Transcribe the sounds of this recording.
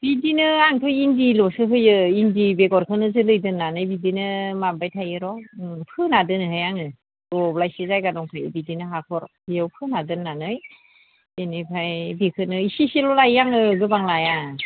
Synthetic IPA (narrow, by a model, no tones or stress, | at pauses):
b̥idinɯaŋtʰujindilɔsɯɦɯjɯindibeɡɔɾkʰɯnɯzɯlɯjdɯnːanɯjbidinɯmabajtʰajɯɾɔpʰɯnadɯnɯɦajaŋɯ | dɔblajsezajɡadɔŋkʰajɯ̰bidinɯɦakʰɔɾhɯjɯwpʰɯnadɯnːanɯj | enipʰajbikʰɯnɯisiselɔlajːaŋɯɡɯbaŋlaja